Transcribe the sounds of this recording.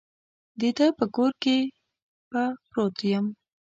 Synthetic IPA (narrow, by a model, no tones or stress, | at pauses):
d̪et̪əpəkoɾke | papɾot̪jəm